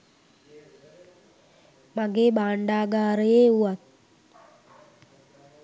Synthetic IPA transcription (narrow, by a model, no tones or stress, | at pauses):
maɡeːbaːɳɖaːɡaːɾəjeːuat̪̚